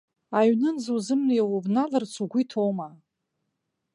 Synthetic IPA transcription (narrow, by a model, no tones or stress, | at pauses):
aɥnɨnzuzɨmnijawobnalɨrt͡sʰuɡʷitʰowma